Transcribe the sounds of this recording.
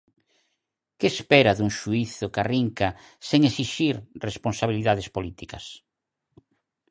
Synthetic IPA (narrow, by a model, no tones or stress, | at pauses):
keːspɛɾaðuŋʃuiθʊkariŋka | seŋesiʃiɾresponsaβ̞iliðaðespolit̪ikɐs